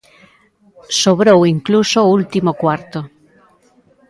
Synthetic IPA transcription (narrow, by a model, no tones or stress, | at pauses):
soβɾowiŋklusoult̪imokwaɾt̪o